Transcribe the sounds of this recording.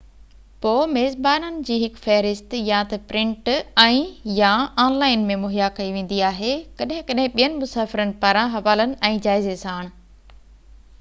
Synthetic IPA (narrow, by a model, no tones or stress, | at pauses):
poːmeːzbaːnənɪ̆d͡ʑiːɦɪkfɛɦɾɪst̪jãt̪ɐpɾɪ̃ɳʈɛ̃ːjãaːnlaːɪnmẽmʊɦjakɐiʋẽːn̆d̪iaːɦekɐɗɦɪ̃kɐɗɦɪ̃ɓijənɪ̆mʊsaːfɪɾənɪ̆paɾãɦɐʋaːlənɪ̆ɛ̃ːd͡ʑaːɪzesãaːɽ̃̆